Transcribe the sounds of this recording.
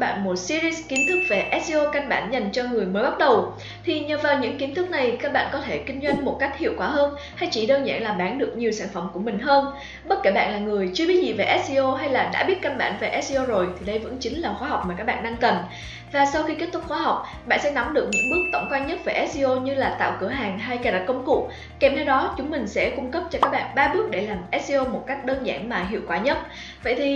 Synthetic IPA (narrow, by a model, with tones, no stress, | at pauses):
ɓa̰ː˧˨nmo˨˩t̚si˧zi˧ski˨˦nt̪ʰɨ˦˥k̚ve˨˩ʔɛ˦˥zi˧ʔo˧ka˧ŋɓa̰ː˧˩nɲa˨˩jŋ̟t͡ɕɔ˧ŋɨ˨˩əjməː˨˦ɓa˦˥t̚ɗə˨˩w | t̪ʰi˨˩ɲəː˨˩vaː˨˩wɲɨ̰˧˥ŋki˨˦nt̪ʰɨ˦˥k̚na˨˩jkaː˦˥k̚ɓa̰ː˧˨nkɔ˨˦t̪ʰe˧˩kï˧ŋ̟zwa˧jŋ̟mo˨˩t̚ka˦˥jk̟̚hḭ˧˨əwkwaː˧˩ɦəː˧n | ha˧jt͡ɕi˧˩ɗəː˧nza̰ː˧˨nlaː˨˩ɓaː˨˦nɗɨ˨˩ək̚ɲi˨˩əwsaː˧˩nfə˧˩ŋ͡mku˧˩əmï˨˩ŋ̟ɦəː˧n | ɓə˦˥t̚ke˧˩ɓa̰ː˧˨nlaː˨˩ŋɨ˨˩əjt͡ɕɨ˧əɓi˨˦zḭ˨˩ve˨˩ʔɛ˦˥t̚si˧ʔo˧ɦa˧jlaː˨˩ɗa̰ː˧˥ɓi˦˥t̚ka˧nɓaː˧˩nve˨˩ʔɛ˦˥si˧ʔo˧zo˨˩jt̪ʰi˨˩ɗə˧jvə̰˧˥nt͡ɕï˨˦ŋ̟laː˨˩xwaː˨˦ɦa˨˩wk͡p̚ma˨˩ka˦˥k̚ɓa̰ː˧nɗa˧ŋkə˨˩n | vaː˨˩sa˧wxi˧ke˦˥t̚t̪ʊ˦˥k͡p̚xwaː˨˦ɦa˨˩wk͡p̚ | ɓa̰ː˧˨nsɛ̰˧˥nɔ˨˦ŋ͡mɗɨ˨˩ək̚ɲɨ̰˧˥ŋɓɨ˦˥ək̚t̪ə̰˧˩ŋ͡mkwaː˧nɲə˦˥t̚vəː˨˩ʔɛ˦˥t̚si˧ʔo˧ɲɨ˧laː˨˩t̪a̰ː˧˨wkɨ˧˩əɦaː˨˩ŋɦa˧jkaː˧˩ɗa˧˩kə˧wŋ͡mkṵ˧˨ | ke˨˩mt̪ʰe˧wɗɔ˨˦t͡ɕʊ˨˦ŋ͡mmï˨˩ŋ̟sɛ̰˧˥kʊ˧ŋ͡mkə˦˥p̚t͡ɕɔ˧kaː˦˥k̚ɓa̰ː˧˨nɓaː˧ɓɨ˦˥ək̚ɗe˧˩laː˨˩mʔɛ˦˥t̚si˧ʔo˧mo˨˩t̚ka˦˥jk̟̚ɗəː˧nza̰ː˧˩nmaː˨˩ɦḭ˧˨əwkwaː˧˩ɲə˦˥t̚ | və̰˧˨jt̪ʰi˨˩